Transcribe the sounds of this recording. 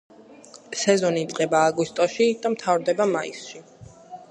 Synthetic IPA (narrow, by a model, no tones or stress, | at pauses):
sɛzɔniːt̪sʼqʼɛbaːɡist̪ʼɔʃid̪̥amt̪ʰavɾd̪ɛbamaḭsʃi